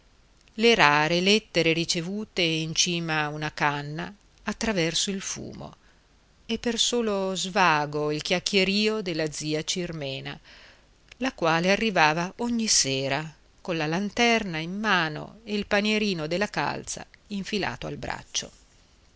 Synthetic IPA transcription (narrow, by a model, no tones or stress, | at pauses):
leɾaːɾelɛt̪ːeɾeɾit͡ʃevuːt̪eint͡ʃiːmaunakanːa̰ː | t̪ːɾavɛrsoilfṵːmo̰ | epːersoːlozvaːɡoilkjakːjeɾiːod̪elːad̪ziːat͡ʃirmɛːna̰ | lakwaːlearːivaːvaoɲːiseːɾa | konlalant̪ɛrnaimːaːno̰eilpanjeɾiːnod̪elːaka̰lt̪sa̰iɱfila̰ːt̪oa̰lbɾa̰t͡ʃːo̰